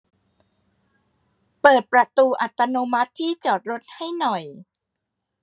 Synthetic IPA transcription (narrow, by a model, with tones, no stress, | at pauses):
pɤː˨˩t̪̚pɾa˧t̪uː˧ʔa˨˩t̪ːa˧noː˧ma˦˥t̪ʰːiː˥˩t͡ɕɔː˨˩t̪̚ɾo˦˥t̪̚ha˥˩jnɔ˨˩j